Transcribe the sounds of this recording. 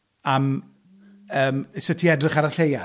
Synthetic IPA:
am | əːmsətʰiɛdrɪχaɾaɬeja

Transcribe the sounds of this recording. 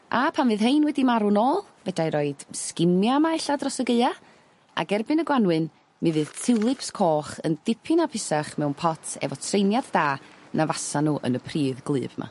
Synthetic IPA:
ʔapʰanvɨːðɦejnwɛdimaɾʊnoːlˠvɛdajɾɔɨd̥skɪmjamaɛɬadrɔsəɡəɨa | a̰ɡɛrbɨnəɡwanwɨn | mɨvɨːð̥tʰɪwlˠɨpskʰoːχə̰nd̥ɪpʰɨnapʰɪsaχmɛwnpʰɔtʰɛ̰vɔtʰrejnjaddaːnavasanuːʔə̰nəpʰriːðɡlˠɨ̰ːvma̰

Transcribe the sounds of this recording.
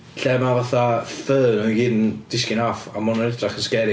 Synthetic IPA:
ɬɛmavaθafəðnəɡiːdnd̥ɪskɪnafa̰mɔnɔnɛdraχənskɛɾɪ

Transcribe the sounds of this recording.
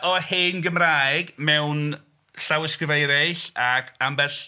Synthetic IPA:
ɔheːnɡəmraːjɡmɛwn | ɬawɪskrɪvejɾɛɬakʰambɛɬ

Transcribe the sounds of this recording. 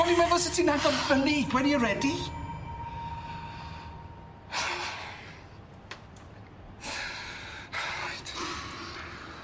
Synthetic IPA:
ɔnimavɔsɪtʰinaɡɔvəniɡwɛdiəɾɛdi | jt

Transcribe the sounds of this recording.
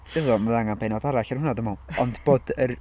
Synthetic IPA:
dəvɔmalˠaŋanbejnɔdaɾaɬɛrhʊnadəmɔɔndb̥oːdər

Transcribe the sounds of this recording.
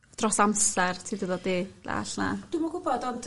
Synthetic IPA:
d̥rɔsamsɛrtʰiːdəðɔdiːla̰ːɬna̰d̥umɔɡʊbɔdɔnd

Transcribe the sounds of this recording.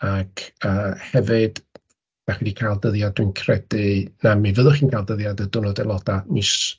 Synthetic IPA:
akʰəːhɛvɨd̥ | d̥aχidikʰajlˠdəðjaddwiɨnkʰrɛdɨnamivəðʊχiːnkʰalˠdəðjadədʊnɔdɛlˠɔd̥amɨs

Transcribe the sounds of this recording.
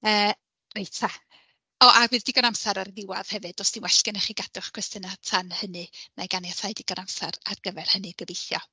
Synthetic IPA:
əː | rejtʰa | ɔʔavɨːðdɪɡɔnamsaɾarðɪwað̥hɛvɨd̥ɔsd̥inwɛɬkɪnaχiɡad̥ʊχkʰw̥ɛstənatʰanhənɨnajɡanjatʰajdɪɡ̥ɔnamsaɾarɡ̥əvɛr̥hənɨɡ̥əvejθjɔ

